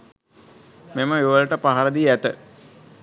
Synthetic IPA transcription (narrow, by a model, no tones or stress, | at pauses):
meməeʋəlʈəpaɦaɾəd̪iæt̪ə